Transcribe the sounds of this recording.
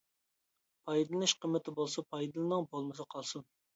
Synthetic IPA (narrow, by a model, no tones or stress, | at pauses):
pʰɑjd̪lɨnɨʃqəmːɪt̪ʰɪbolˠsɑpʰɑjd̪ɨlˠɨnɨŋbolˠmɨs̬ɨqʰɑlˠsun